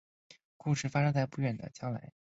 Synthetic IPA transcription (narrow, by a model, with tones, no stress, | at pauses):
ku˥˧ʂɻ̩˥˩fa˥ʂɤ˥ŋt͡sa˥˧ɪpu˥˧ɥɛ˥˩nd̪ə̰˩t͡ɕjɑ˥ŋla̰˧˥ɪ